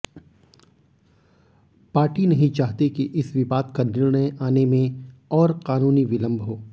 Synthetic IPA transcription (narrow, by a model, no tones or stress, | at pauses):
paːɾʈinɐɦĩt͡ʃaːɦt̪ekiʔɪsʋɪʋaːd̪kanɪɾɳəjaːnemẽɔːɾqaːnuːniʋɪlə̃mbʱɦoː